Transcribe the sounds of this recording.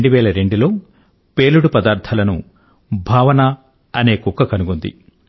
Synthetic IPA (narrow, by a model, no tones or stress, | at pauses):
ɳɖuʋɛːlɐɾe̞ɳɖulo̞ː | pe̞ːluɽupɐd̪aːɾt̪ʰɐlɐnṵ | bʱaːʋɐnɐ | ɐne̞ːkukːɐkɐnuɡund̪ḭ